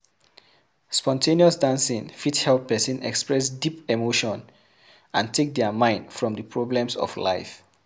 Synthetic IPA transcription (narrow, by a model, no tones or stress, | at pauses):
spɔ̃ntʰeniɔsdãnsĩnfithɛlp̚pɛsĩnɛ̰kspɹɛsdipemoʃɔ̃n | ã̰ntʰek̚dɛmãɪ̃nd̥fɹɔ̃mdəpʰɹɔblɛ̃msɔ̰fla̰ɪf